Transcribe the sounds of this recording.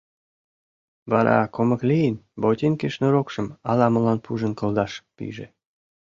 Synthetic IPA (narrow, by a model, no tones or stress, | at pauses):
βɑɾɑ̰komə̆klijənbot̪ʲinkeʃnoɾokʃə̆mɑlɑmə̆lɑnpʰuʒə̆nkɤ̆ld̪ɑʃpḭʒḛ